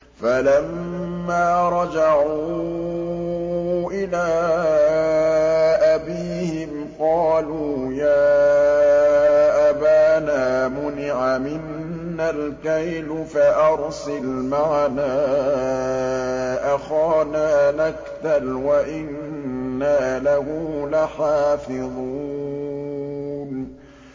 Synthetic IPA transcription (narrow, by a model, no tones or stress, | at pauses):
falamː | aːɾˤɑd͡ʒɑʕuuː | ʔɪlaː | ʔabiːhɪm | qɑːluːjaː | ʔabaːnaːmʊnɪʕamɪnː | alkajlfaʔɑɾsɪlmaʕnaː | ʔaxaːnaːnakt̪alwaʔɪnː | aːlahʊːlaħaːfɪðˤu | n